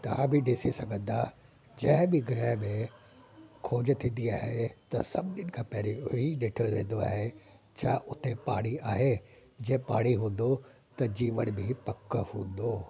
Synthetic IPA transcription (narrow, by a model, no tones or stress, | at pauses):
t̪ɐabʱɪɗɪsisɐɡʱə̃nd̪a | d͡ʑɐ̃ɦɪ̃bɪɡɪɾɛːɦmẽ | kʰoːd͡ʑt̪ʰĩːn̆d̪iaːɦet̪ɐ̰sɐ̰bɗɪnɪkʰãːpɛɦɾiʊɦiɗɪʈʰəʋẽːnd̪oa̰ːɦet͡ɕʰaːʔʊt̪epaːɽiaːɦe | d͡ʑɐ̃ːpaːɽiɦũːn̆d̪o | t̪ɐd͡ʑiːʋəɽ̃bʱɪpɐkəhũːn̆d̪oː